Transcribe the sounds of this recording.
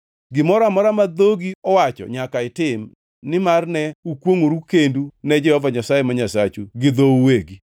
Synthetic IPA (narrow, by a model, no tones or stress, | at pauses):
ɡɪmɔɾamɔɾamad̪oɡiɔwat͡ʃɔ̰ɲakaɪtɪm | nɪmarnɛukwoŋoɾukendunɛd͡ʒɪɔvaɲasajɛmaɲasat͡ʃuɡɪd̪oweɡi